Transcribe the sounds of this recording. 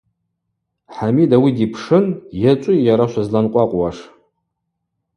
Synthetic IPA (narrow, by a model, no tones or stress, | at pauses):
ħamidawidipʰʂɨnjat͡ʃʷʼʊjaɾaʃʷazlanqʷʼaqʷʼwaʂ